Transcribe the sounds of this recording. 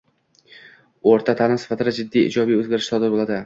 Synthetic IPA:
oɾt̪ʰat̪ʰalɪmsɪ̥fat̪ʰɪd̪ad͡ʒɪd̪ːijɪ̰d͡ʒɒbijɵzɡʲaɾɪʃsɒd̪ɪɾbolad̪ɪ

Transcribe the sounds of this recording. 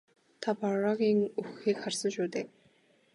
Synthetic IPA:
t̪ʰapɔrɔɣʲiːŋɵxiːkχarsə̆ŋʃuːt̪eː

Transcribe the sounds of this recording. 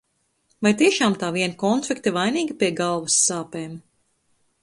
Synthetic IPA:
vajt̪iɛʃaːmt̪aːviɛnkɔnflʲikt̪ivajniːɡʲipiɛɡalˠvɐsːaːpeːm

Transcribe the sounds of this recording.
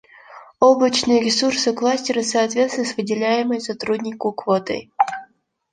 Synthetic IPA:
oblˠət͡ɕnɨjəɾʲɪsursɨklˠasʲtʲɪɾəsɐːt̪vʲe̞t̪st̪vʲɪsvɨdʲɪlʲæjɪməjsɐt̪ɾudʲnʲɪkʊkvot̪ɨ̰j

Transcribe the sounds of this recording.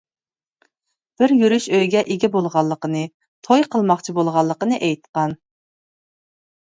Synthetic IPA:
b̥ɪɾjyɾyʃøjɡʲɛʔeɡʲɛbolˠʁɑlˠːəqənɨ | t̪ʰojqʰəlˠmɑχt͡ʃʰibolˠʁɑlˠːəqənɨʔɛjt̪qɑn

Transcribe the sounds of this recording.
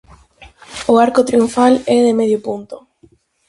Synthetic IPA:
oaɾkot̪ɾiuɱfalɛðemeðjopunt̪o

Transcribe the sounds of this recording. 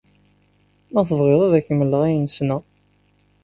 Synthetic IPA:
mæθəvʁeðˤæðækːəmːəlːəʁijənsna

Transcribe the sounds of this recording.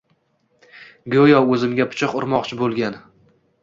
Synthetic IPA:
ɡojɒɵzɪmɡʲapʰʊ̥t͡ʃʰɪqʊɾmɒqt͡ʃʰɪbolˠɡʲan

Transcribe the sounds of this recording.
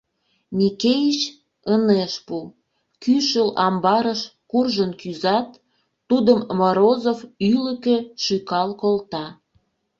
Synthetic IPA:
mʲikejit͡ɕ | əneʃpu | kyʃəlɑmbɑɾəʃkurʒənkyzɑt̪ː | ud̪əmmoɾozofylə̆kĕʃykɑlkolt̪ɑ

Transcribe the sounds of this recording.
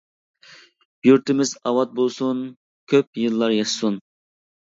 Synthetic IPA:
jyɾt̪ɪmɪzɑwɑt̪̚bolˠsun | kʲʰøpjɨlˠːɑɾjɑʃsun

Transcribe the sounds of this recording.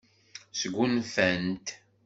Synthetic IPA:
səɡʷːunfænt̪

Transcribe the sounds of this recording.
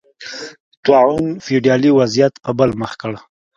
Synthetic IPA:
t̪wɑʕunfiɖjɑliwazijat̪pəbəlməxkəɽ

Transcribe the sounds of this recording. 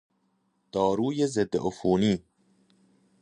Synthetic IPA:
d̪̥ɒːɾuːjezed̪ːḛʔofuːniː

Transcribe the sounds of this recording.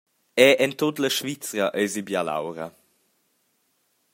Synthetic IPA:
ɛʔɛnt̪ot̪ləʃvit͡sɾəʔɛzibjala̰wɾə̰

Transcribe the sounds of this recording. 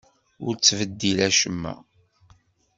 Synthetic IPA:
ʊɾt͡sːvəd̪ːilæʃəmːæ̰

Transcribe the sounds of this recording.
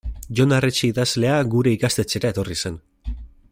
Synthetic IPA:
ʝo̞naret͡ʃiiðazle̞aɡuɾe̞ikast̪e̞t͡se̞ɾae̞t̪o̞risen

